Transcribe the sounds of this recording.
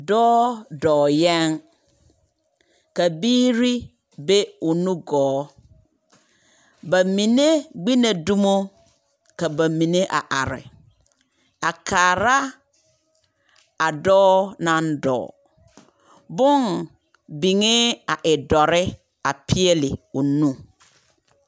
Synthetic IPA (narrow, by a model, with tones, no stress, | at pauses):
dɔː˦dɔː˨jɛ˦n | ka˨biː˦ɾi˦ | be˦wo˨nũ˦ɡɔː˨˦ | ba˨mĩ˨ne˦ɡ͡bi˦nã˨du˦mo˦ | ka˨ba˨mĩ˨ne˦ʔa̰˨ʔa˨ɾɪ̰˨ | a˨kʰaː˨ɾa˦ | a˨dɔː˦nã˨n̩˦dɔ̰ː˨ | bʊ̃˦ŋ | bi˨ŋɪ˦a˨ʔɪ˨dɔ˨ɾɪ˦ | a˨pʰi˦ɛ˦lɪ˨o˨nũ˦